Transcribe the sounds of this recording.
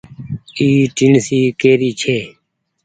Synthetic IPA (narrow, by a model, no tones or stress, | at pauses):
iːʈiɳsiːkeːɾiːt͡ʃʰeː